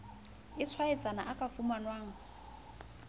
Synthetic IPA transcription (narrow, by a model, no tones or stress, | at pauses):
ɪt͡sʰwaɛt͡sʼana̰ʔakʼafumanwaːŋ̩